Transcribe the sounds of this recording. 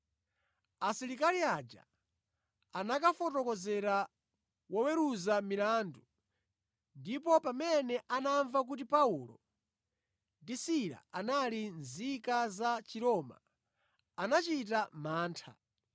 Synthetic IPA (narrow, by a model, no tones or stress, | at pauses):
asiɾikaliad͡ʒa̰ | anakafɔtɔkɔzɛɾa | wɔwɛɾuzamilaːndu | ndipɔpamɛnɛʔanaɱvak̬ut̬ipaulɔ̰ | disiɾa̰analinzikazat͡ʃiɾɔma̰ː | nat͡ʃit̬amaːntʰa̰